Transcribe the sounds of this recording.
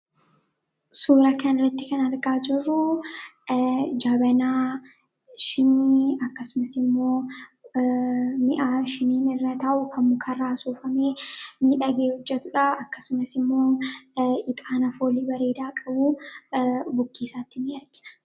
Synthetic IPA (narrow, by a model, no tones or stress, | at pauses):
suːɾɐkɐnɪrːɐt̪ːɪkɐnɐɾɡaːd͡ʒɪrːʊ | d͡ʒaːbɐnaː | ʃɪnːɐkːɐsʊmɐsɪmːo̞ː | mɪʔaːʃɪniːnɪrːɐt̪ɐʔʊkʰɐmːʊkʰɐraːsuːfɐme̞ːmiːᶑɐɡe̞ːhɔd͡ʒːɛt̪ʊᶑaɐkːɐsʊmɐsɪmːo̞ː | ɪt̪ʼaːnɐfo̞ːliːbɐɾeːd̪aːkʼɐbuː | bʊkːiːsaːt̪ːɪmiːɐɾɡɪnɐ̥